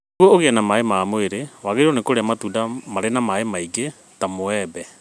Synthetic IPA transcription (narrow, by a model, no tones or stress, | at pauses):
ɣwɔoɣeɛnamaemaːmoeɾewaɣeɾionekoɾeamatuːdamaɾenamaemaiɡe | tamoɛbɛ